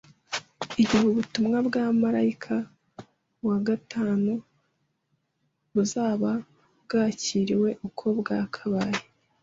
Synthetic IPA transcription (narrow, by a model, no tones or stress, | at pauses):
iɟuβuβutumŋabɡaːmaɾaikʰa | waɡatʰaːnu | βuzaːβa | bɡaːciːɾiwe̞ʔukʰo̞bɡaːkʰaβaje